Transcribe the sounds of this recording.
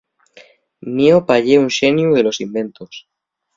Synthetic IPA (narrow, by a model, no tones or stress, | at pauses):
miopaʎeunʃenjuelo̞simbẽ̞nt̪os